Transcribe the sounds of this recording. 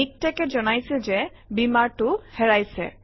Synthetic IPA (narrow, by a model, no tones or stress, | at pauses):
ik̚tɛkɛzɔnajsilzɛ | bimaɹtʊhɛɹajsɛ̰